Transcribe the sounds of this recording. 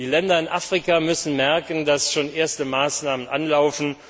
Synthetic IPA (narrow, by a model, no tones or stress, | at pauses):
d̥iːlɛndɐɪnʔaːfʁ̥ikamʏsn̩mɛɐkən̩dasʃoːnʔeːɐstəmaːsnaːmənʔanlaʊfn̩